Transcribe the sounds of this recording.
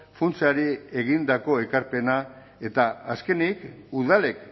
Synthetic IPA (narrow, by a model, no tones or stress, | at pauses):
funt͡siaɾie̞ɣ̞ind̪ako̞e̞kaɾpe̞na | e̞t̪aːske̞nikuðale̞k